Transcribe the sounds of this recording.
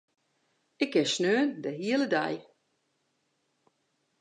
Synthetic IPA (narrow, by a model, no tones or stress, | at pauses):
ɪkɛsnøːndəɦiələda̰j